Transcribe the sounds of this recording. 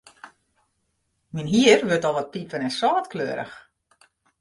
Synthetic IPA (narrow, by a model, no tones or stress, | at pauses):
minɦiərʋøtɔlˠʋɔt̚pipənɛnsɔːtklø̰əɾə̰x